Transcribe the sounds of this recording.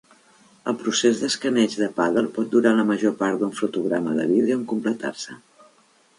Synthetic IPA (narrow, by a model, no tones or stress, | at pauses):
əlˠpɾusezðəskənɛd͡ʒðəpaðəlˠpɔt̪̚d̪uɾaləməʒopaɾt̪d̪uɱfɾut̪uɣɾaməðə̰βiðeuəŋkumplət̪a̰rsə